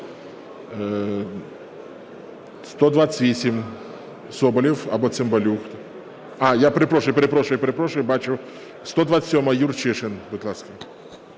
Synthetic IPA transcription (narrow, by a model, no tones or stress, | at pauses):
st̪od̪vat̪sɨ̥t̪ʲvʲesʲɪmʲ | sobɐlʲɪfɐbot̪sɨmbɐlʲuxt̪ | ajapɾʲɪpɾoʂləjpɾʲɪpɾoʂləjpɾʲɪpɾoʂˠəjbat͡ʃʊ | st̪od̪vat̪sɨ̥sʲomɐjurt͡ʃɛʂɨnbɨt̪lˠaskə